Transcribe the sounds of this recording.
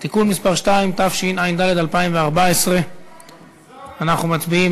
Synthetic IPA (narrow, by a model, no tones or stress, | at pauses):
t̪ikunmispaʁʃt̪aimt̪afʃinajnd̪ale̞d̪alpaimveaʁbaesʁe̞ | anaχnumatbii